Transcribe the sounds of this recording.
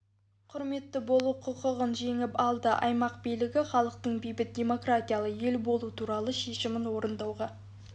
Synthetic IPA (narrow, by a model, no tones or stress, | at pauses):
qʰʊɾme̞t̪ːɪbo̞lˠuqʰʊqəʁənʒe̞ŋɪpɑlˠd̪əʔɑjmɑq̚bijlɪɡʲɪχɑlˠəq̚t̪əɴbijbɪt̪̚dʲe̞mo̞krat̪ʲijalˠəje̞lbo̞lˠut̪ʰuɾɑlˠəʃe̞ʃɪmɪnwo̞ɾənd̪ɑwʁɑ